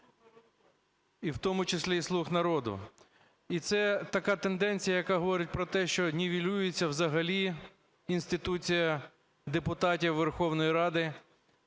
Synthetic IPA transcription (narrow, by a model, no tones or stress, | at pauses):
iwt̪ɔmʊt͡ʃɪsʲlʲislˠuxnɐɾɔd̪ʊ̰ | it̪sɛt̪ɐkɑt̪end̪ɛnʲt͡sʲijɐjɐkɑɦɔʋɔɾɪtʲpɾɔt̪ɛʃt͡ʃɔnʲiʋʲilʲujet͡sʲːɐwzɐɦɐlʲi | inst̪ɪt̪ut͡sʲijɐ | d̪epʊt̪ɑtʲiwʋːerxɔwnɔjiɾɑd̪ɪ